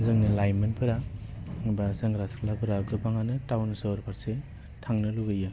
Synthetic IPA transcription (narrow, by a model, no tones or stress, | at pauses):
zɯŋnilajmɯnpʰɯɾaŋbaseŋɡɾasklabɯɾaɡɯbaŋanɯtawnsɯɾpʰaɾse | tʰaŋnɯluɡɯjɯ